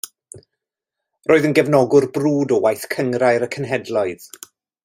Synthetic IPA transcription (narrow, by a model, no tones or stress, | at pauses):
roːɨðənɡɛvnɔɡʊrbruːdɔwajθkʰəŋɾaɨɾəkʰənɦɛdlɔɨð̥